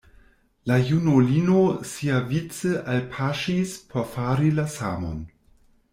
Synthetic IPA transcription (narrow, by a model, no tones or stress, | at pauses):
lajunolinosiavit͡səʔalpʰaʃispʰoɾfaɾilasa̰mo̰n